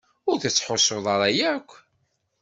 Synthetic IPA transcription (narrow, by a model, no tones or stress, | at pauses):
ʊɾθæt͡sːħosoðˤɑɾˤæjækʷː